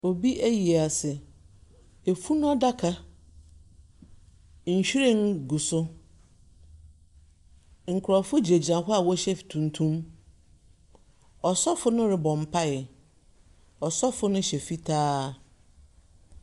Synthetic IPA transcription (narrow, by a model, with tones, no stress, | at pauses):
o˨bi˦ʔæ˦ji˨a˨sɪ˨ | e˨fu˦nʊ̃˦ɔ˦da˦kʰa˦ | ɲ̩˨ɕᶣi˦ɾẽ˦n˦ɡu˨sʊ˦ | ŋ̩˨kʰʊ˨ɾɔ˨fʊ˦d͡ʑi˨e˨d͡ʑi˨nã˨ɦʊ˦a˨wɔ˦ɕɛ˦ftʰũ˨n˨tʰũ˦m | ɔ˨sɔ˦fʊ˦nʊ̃˦ɾɪ˨bɔ̃˨m̩˨pʰa˦ɪ˨ | ɔ˨sɔ˦fʊ˦nʊ̃˦ɕɛ˨fi˦tʰaː˦